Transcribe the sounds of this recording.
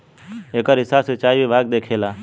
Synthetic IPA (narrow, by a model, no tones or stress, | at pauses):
eːkəɾɦɪsaset͡ʃaːiʋibʱaːɡ̚d̪eːkʰeːlaː